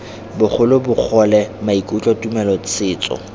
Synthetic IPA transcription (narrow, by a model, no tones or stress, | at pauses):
bʊχʰʊlʊbʊk͡xʰɔlɛmaikʼut͡ɬʼɔtʼumɛlɔt͡sʰɪːt͡sɔ̰